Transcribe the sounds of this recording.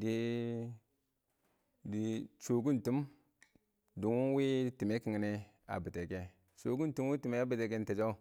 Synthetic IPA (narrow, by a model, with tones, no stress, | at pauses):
di˨ | di˨t͡ʃo˨ɡu˦n˨tu˦m | du˨ŋu˦n˦wi˦ti˨me˦ki˨ŋ˦ni˦ | a̰˨bi˨te˨ke˦ | t͡ʃo˨ɡu˦n˨tu˦m˦wi˦ti˨me˦a˦bi˨te˨ke˦n˦te˨d͡ʒo˦